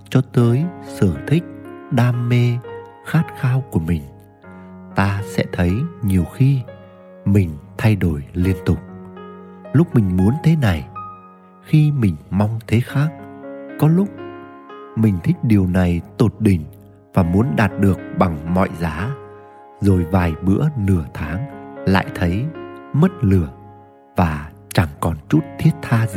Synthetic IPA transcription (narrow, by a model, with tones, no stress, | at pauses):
t͡ɕɔ˧t̪əː˨˦jsɨ˨˩əŋt̪ʰï˦˥k̟̚ɗaː˧mːe˧ | xaː˦˥t̚xaː˧wku˧˩əmï˨˩ŋ̟ | t̪aː˧sɛ̰˧˥t̪ʰə˨˦jɲi˨˩əwxi˧ | mï˨˩ŋ̟t̪ʰa˧jɗo˧˩jli˧ənt̪ʊ˨˩k͡p̚ | lʊ˦˥k͡p̚mï˨˩ŋ̟mu˨˦ənt̪ʰe˨˦na˨˩j | xi˧mï˨˩ŋ̟ma˧wŋ͡mt̪ʰe˨˦xaː˦˥k̚kɔ˨˦lʊ˦˥k͡p̚ | mï˨˩ŋ̟t̪ʰï˦˥k̟̚ɗi˨˩əwna˨˩jt̪o˨˩t̚ɗï˨˩ŋ̟ | vaː˨˩mu˨˦ənɗaː˨˩t̚ɗɨ˨˩ək̚ɓa˨˩ŋmɔ̰˧˨jzaː˨˦ | zo˨˩jvaː˨˩jɓɨ̰˧˥ənɨ˨˧˩ət̪ʰaː˨˦ŋla̰ː˧˨jt̪ʰə˨˦jmə˦˥t̚lɨ˨˧˩ə | vaː˨˩ | t͡ɕa˧˩ŋkɔ˨˩nt͡ɕu˦˥t̚t̪ʰi˦˥ət̚t̪ʰaː˧